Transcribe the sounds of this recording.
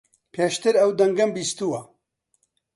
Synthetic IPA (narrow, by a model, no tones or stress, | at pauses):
pʰeːʃt̪ɨɾɐwd̪ɐŋɡɐmbiːst̪uwɐ